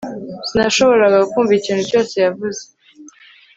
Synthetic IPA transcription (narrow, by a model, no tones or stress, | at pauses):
sinaʃo̞βo̞ɾaɡaukuːɱviiciːnhuco̞ːse̞javuze̞